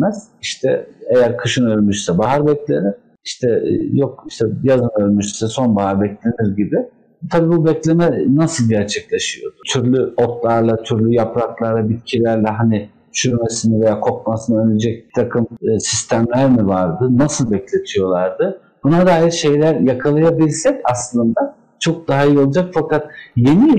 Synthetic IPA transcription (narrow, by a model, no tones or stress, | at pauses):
mɛz̥iʃt̪ʰɛe̞jæɾkʰɯʃɯnø̞ɾʲmyʃsɛbaɦaɾbɛclʲeniɾ̥ | iʃt̪ʰɛjokiʃt̪ʰɛjazɯnøɾʲmyʃsɛso̞nbaɦaɾbɛclʲe̞niɾɟibɪ | t̪ʰabiːbubɛclʲemɛnasɯlˠɟæɾt͡ʃʰɛclʲe̞ʃɯjo̞d̪ʊt̪ʰyɾlʲyo̞t̪lˠaɾlˠat̪ʰyɾlʲyjapɾaklˠaɾlˠabit̪̚cʰilʲæɾlʲɛɦani | ʃyɾmesinɛve̞jaːkʰo̞k̚masɯnɯølʲed͡ʒɛc̚bi̥t̪ʰakʰɯmːsist̪ʰæmlʲæɾmivaɾd̪ɯnasɯlˠbɛclʲe̞t̪ʰijo̞lˠaɾd̪ɯ | b̥unad̪aːjiɾʃe̞jlʲæɾjakʰalˠajabilʲsɛcaslˠɯnd̪a | t͡ʃʰo̞k̚d̪aɦaijolˠad͡ʒakfakʰat̪̚je̞ni